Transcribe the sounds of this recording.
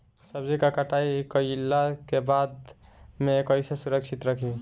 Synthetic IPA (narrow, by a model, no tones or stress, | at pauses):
səbd͡ʒikakaʈaikəlːakebad̪mekəjsesuɾəksʰit̪ɾəkʰi